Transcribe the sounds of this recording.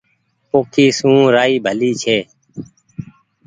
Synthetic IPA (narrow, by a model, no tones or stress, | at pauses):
poːkʰiːsũːɾaːiːbʱəliːt͡ʃʰeː